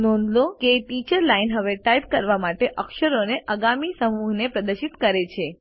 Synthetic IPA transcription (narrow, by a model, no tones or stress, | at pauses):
nɔ̃nd̪lokeʈit͡ʃəɾlainɦəʋeʈajp̚kəɾʋamaʈeʔəkʃəɾoneʔəɡamisəmuɦnepɾəd̪əɾʃit̪kəɾet͡ʃʰe